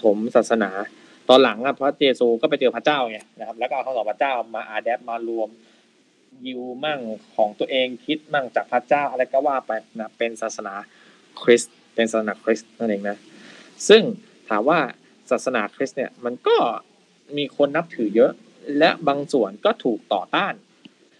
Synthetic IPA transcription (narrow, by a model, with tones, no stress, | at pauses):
t̪ʰo˩˦msaː˨˩t̪̚sa˧naː˩˦ | t̪ɔː˧nla˩˦ŋʔa˧˩pʰɾɔ˦˥jeː˧suː˧kɔː˥˩pa˧˦jt͡ɕɤː˧pʰa˦˥t͡ɕaː˥˩wŋi˧˩na˦˥kʰa˦˥p̚lɛː˦˥˩kːkʰːsɔː˨˦˩pʰa˥t͡ɕaː˥˩wmaː˧ʔaː˧dɛː˦˥p̚maː˧lu˧əm | ji˧wmaː˥˩ŋkʰɔː˩˦ŋt̪u˧əʔeː˧ŋkʰi˦˥t̪̚ma˥˩ŋt͡ɕaː˨˩k̚pʰa˦˧˥t͡ɕaː˥˩wʔa˧ɾa˧˥˩jkɔː˥˩waː˥˩pa˧jna˧˥˩pːe˧nsaː˨˩t̪̚sa˧naː˩˦ | kʰɾi˦˥s | pe˧nsaː˨t̪̚sʰa˧aː˩˦kʰɾi˦˥stna˥˩nʔeː˧ŋna˦˥sɯ˥˩ŋ | t̪ʰaː˩˦mwaː˥˩ | saː˨˩t̪̚sa˧naː˩˦kʰɾi˦˥ni˥˩əma˧nkɔː˥˩ | miː˧kʰo˧nːa˦˥p̚t̪ʰɯː˩˦jɤ˦˥ʔ | lɛ˦˥baː˧ŋsu˨˩˦ənkɔː˥˩t̪ʰuː˨˩k̚t̪ɔ̰ː˨˩t̪aː˥˩n